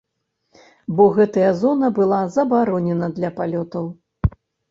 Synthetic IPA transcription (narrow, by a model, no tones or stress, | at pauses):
bɔɣɛt̪ɐjɐzɔnɐbɨlˠazɐbaɾɔnʲɛnɐd̪lʲɐpalʲɔt̪ɐw